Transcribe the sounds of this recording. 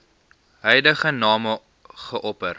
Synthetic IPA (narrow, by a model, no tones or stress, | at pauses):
ɦəjdəχənɑːmə | χəʔɔpər